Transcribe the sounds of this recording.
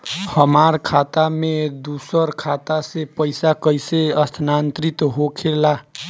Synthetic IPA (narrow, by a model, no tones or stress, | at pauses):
hʌmaɾkʰat̪amed̪usəɾkʰat̪asepʌjsakʌjseʌst̪ʰnant̪ɾit̪ɦokʰela